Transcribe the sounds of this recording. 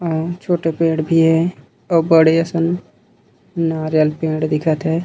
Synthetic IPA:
ɔːt͡ʃʰoːʈepẽːɽbʱiɦɛ | ɔːbəɽeɐsən | naːɾjəlpẽːɽd̪ɪkʰət̪ɦɛː

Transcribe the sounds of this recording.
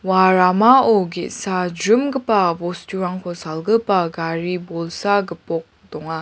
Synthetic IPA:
waɾamaoɡeʔsad͡ʒɾɯmɡɯpabɔstuɾaŋkʰɔsalɡɯpaɡaɾibolsaɡəpɔk̚ | dɔŋa

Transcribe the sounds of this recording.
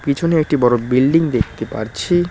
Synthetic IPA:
kit͡ɕʰoneek̚ʈibɔɾobilɖiŋd̪ekʰt̪epa̰ɾt͡ɕʰi

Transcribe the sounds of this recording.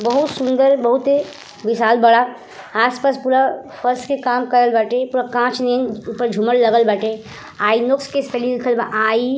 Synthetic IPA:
bəɦut̪sund̪əɾbəɦut̪e | bisalbəɽa | aspaspuɾapʰəɾskekamkəɾəlbaʈepuɾakãt͡ʃʰnenupəɾd͡ʒʱuməɽləɡəlbaʈe | ainokskespʰəlilikʰəlbaʔai

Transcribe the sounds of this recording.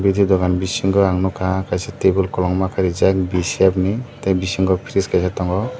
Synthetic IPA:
bid̪ʱid̪ɔɡanbisiŋɡɔaŋnɔkaakajsatebulkɔlɔŋmakʰaɾizak̚bisiabnitabisiŋɡɔpʰiɾiskajsatɔŋɡɔ

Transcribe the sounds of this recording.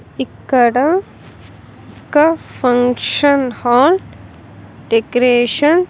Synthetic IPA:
ikːɐɽɐ̃ | kːɐfɐŋʂɐnhaːl | ɖekɾeːʂɐn

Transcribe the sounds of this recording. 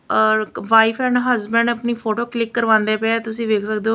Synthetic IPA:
ʋaːipʰɛ̃ːɳɖɦəzbəɳɖəpniːpʰoːʈoːklɪkːəɾʋãːnd̪eːpɛɛt̪ʊsĩːʋeːkʰsəkd̪eoː

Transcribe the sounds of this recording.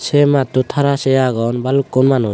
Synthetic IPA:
sɛmat̪ut̪ʰaɾasɛjaɡɔnbalukːɔnmanu

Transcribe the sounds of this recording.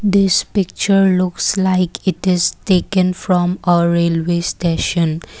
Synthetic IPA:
d̪ɪspɪk̚t͡ʃəɾlʊkslaɪkʰɪʈɪzʈeːkə̃nfɾɔ̃məɾeːlwesʈeʃə̃n

